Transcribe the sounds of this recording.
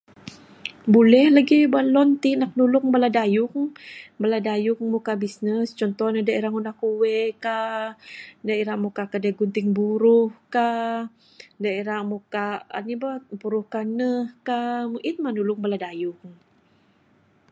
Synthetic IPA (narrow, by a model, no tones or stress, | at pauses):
bulɛhlaɡibualɔnt̪inak̚nulʊkŋbaladajʊkŋbaladajʊkmukabisnəst͡ʃɔnt̪ɔhnədaeɾaŋunakuwɛka | daeɾamukakadaɡunt̪ɪŋbuɾʊhka | daeɾamukaa̰nibabuɾʊhkanəhkamʔit̪̚manulʊk̚baladajʊk